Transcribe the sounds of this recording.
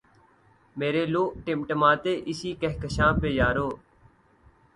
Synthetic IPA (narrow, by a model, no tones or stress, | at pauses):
meːɾeːloːʔʈɪmʈmãːt̪eːʔɪsiːkəɦkəʃãːpeːjaːɾoː